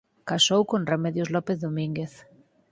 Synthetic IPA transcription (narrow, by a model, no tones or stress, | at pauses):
kasowkonremɛðjozlɔpeθðomĩŋɡeθ